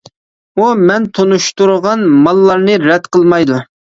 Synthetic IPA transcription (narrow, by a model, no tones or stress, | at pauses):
umɛnt̪ʰonuʃt̪uɾəʁɑnmɑlˠːɑɾnɨɾɛd̪qʰəlˠmɑjd̪u